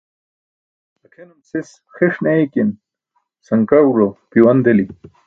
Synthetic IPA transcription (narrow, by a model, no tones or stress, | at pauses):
ɐkʰenumsis | xiʂneikin | sɐŋkauɾopiwɐnd̪eli